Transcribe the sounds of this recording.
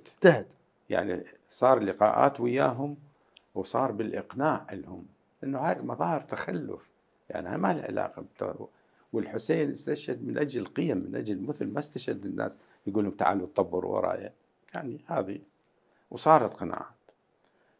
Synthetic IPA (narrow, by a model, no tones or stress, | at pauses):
ad̪ | ja̰ʕni | sˤɑːɾˤlɪqɑːʔa̰ːt̪wɪjːaːɦʊm | wsˤɑːɾˤbɪlʔɪqnaːʕʔɪlhʊm | ʔanːahaːjmɑðˤɑːhɨɾt̪axalːʊ̰f | ja̰ʕniha̰malʕɪ̰la̰ːqat̪ | wɪlħʊseːnʔɪst̪aʃad̪mɪnʔad͡ʒlqɨjamːɪnʔad͡ʒlmʊθʊlmast̪aʃad̪ɪnːʔa̰ːs | jɡuːlʊmt̪a̰ʕa̰lut̪ˤːɑbːɨɾwɑ̰ɾˤɑ̰ːja̰ | jaʕnihaːði | wsˤɑːɾˤɑt̪qɑna̰ːʕaːt̪